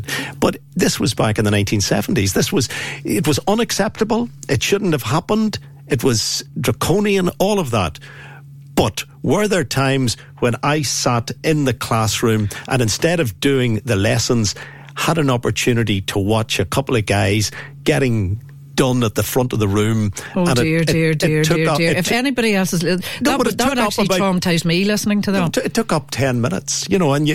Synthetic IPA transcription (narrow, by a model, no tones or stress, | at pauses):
b̥ʌt̪ðɪswʌzbakɨ̃n̩ðənãɪ̃ntʰĩnsɛ̰vn̩tizðɪswʌz̥ɪt̚wʌzʌ̃nɨksɛp̚təbəl̩ˠʔɪtʃʊdⁿn̩thəv̥ɦapə̃nd | ɨt̚wʌz̥dɹəkʰõʊ̃niə̃nɔlˠʌvðə̰t̚ | b̥ʌt̚ | wə˞ðə˞tʰãɪ̃mz̥ | wə̃naɪsaɾɪ̃nðɨkʰl̥asɹʉ̃mʔə̰̃nɨ̃nstɛɾʌvdʉɪ̃ŋðɨlɛsə̃nz̥ | həɾə̃nɑpə˞tʰʉnɨɾiɾʰəwɑt͡ʃɨkʰʌpl̩ˠʌvɡaɪzɡ̥ɛɾɪ̃ŋ | d̥ʌ̃nət̪̚ðəfɹʌ̃ntʌvðəɹʉ̃mə̃nɪɪdɹdɪʊɹɪfɛnibɑɾiɛlˠsəznəwʌðʰʊwəɾʌt͡ʃləibɔmtʰezmilɪsnɪ̃ŋtʰəðəɪtʰːʊkʌp̚tʰɛ̃nmɪ̃nə̰tsjɨnoʊə̃njɨ